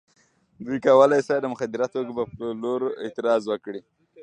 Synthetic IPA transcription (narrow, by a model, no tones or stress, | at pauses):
d̪ujkawəlajsad̪əmʊxad̪ɪɾat̪oɡabapəloɾɪt̪ɪɾɑzwəkɽi